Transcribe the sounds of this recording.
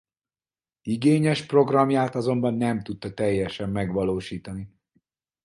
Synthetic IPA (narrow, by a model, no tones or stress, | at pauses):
iɡeːɲɛʃpro̞ɡrɒmjaːt̪ɒzo̞mbɒnːɛmt̪ut̪ːɒt̪ɛjːɛʃɛmːɛɡʋɒloːʃiːt̪ɒni